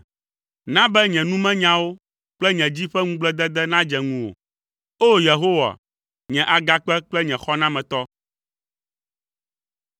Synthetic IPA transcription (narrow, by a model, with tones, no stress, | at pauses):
nã˦bɛ˦ɲɛ̃˨nũ˦mɛ̃˦ɲã˦wo˦ | k͡plɛ˦ɲɛ̃˨d͡ʑi˦ɸɛ˦ŋũ˦ɡ͡blɛ˦d̪ɛ˦d̪ɛ˦nã˦d͡ʒɛ˨ŋũ˨wo̰˨ | o˦je˨ɦo˦wa̰˨ | ɲɛ̃˨ʔa˨ɡa˦k͡pɛ˦k͡plɛ˦ɲɛ̃˨xɔ˦nã˦mɛ̃˨t̪ɔ˦